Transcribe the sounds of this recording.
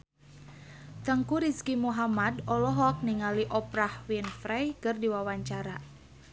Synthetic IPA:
t̪aŋkuɾiskimuɦamadɔlɔɦɔk̚niŋaliʔɔpɾahwinfɾɛjkɨrdiwawaɲt͡ʃaɾa

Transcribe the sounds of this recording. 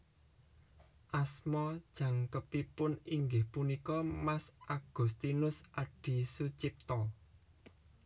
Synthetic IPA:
ʔasmɔd̥ʒ̥a̤ŋkəpipʊniŋɡɪhpunikɔmasʔaɡ̥ṳst̪inʊsʔaɖ̥i̤sut͡ʃip̚t̪ɔ

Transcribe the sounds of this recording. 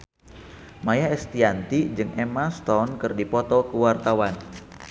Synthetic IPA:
majaɛst̪iant̪id͡ʒɨŋʔɛmast̪ɔnkɨrdipɔt̪ɔkəwart̪awan

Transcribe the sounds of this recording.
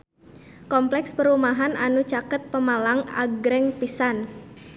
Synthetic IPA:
kɔmplɛkspəɾumaɦanʔanut͡ʃakət̪̚pəmalaŋa̰ɡɾɛŋpisan

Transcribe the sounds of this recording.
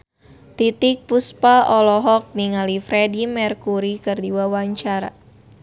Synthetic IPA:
t̪it̪ɪk̚puspaɔlɔɦɔk̚niŋalifɾɛdimɛrkuɾikɨrdiwawaɲt͡ʃaɾa̰

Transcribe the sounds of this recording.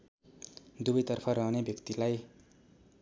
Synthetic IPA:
d̪ubʌjt̪ʌrpʰʌɾʌɦnebʱjʌkt̪ilaj

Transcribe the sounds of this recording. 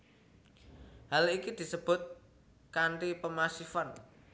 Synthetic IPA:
halikid̪̥i̤səb̥ʊ̤t̪̚ | kaɳʈipəmasifan

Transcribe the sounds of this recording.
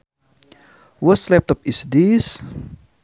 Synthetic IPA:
wəslɛp̚t̪ɔpisdis

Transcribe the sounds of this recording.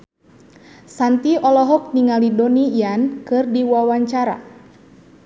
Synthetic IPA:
sant̪iɔlɔɦɔk̚niŋalidɔniiankɨrdiwawaɲt͡ʃaɾa̰

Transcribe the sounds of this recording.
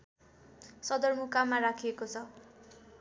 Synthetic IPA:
sʌd̪ʌrmukamarakʰijekot͡sʰʌ

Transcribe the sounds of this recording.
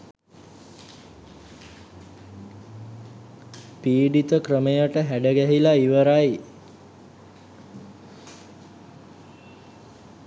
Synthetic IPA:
piːɖit̪əkɾəmejəʈəɦæɖəɡæɦilaiʋəɾaj

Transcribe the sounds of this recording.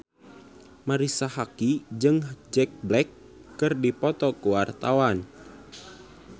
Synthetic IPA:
maɾisahakid͡ʒɨŋd͡ʒɛk̚blɛkː | ɨrdipɔt̪ɔkuwart̪awan

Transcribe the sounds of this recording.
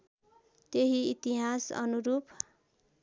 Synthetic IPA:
t̪eɦiit̪iɦasʌ̰nuɾupʰ

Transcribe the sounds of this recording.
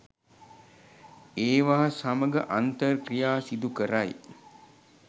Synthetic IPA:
eːʋaɦasaməɡə̰ʔant̪ərkrijaːsid̪ukəɾaj

